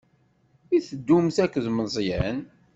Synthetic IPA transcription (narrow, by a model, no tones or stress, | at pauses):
iθəd̪ːumθækːðməzˤjæn